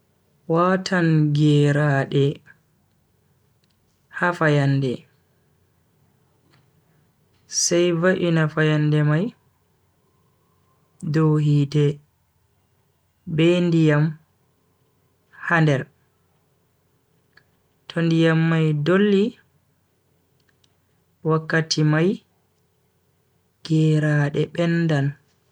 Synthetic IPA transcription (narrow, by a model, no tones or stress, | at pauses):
watʰanɡɛɾaɗɛ | hafajandɛ | sajvaʔinafajandɛmaj | doɦiːdɛ | bɛndijam | handɛɾ | tʰɔndijamːajdolːi | wakːatʰimaj | ɡ̥ɛɾaːɗɛɓɛnːdan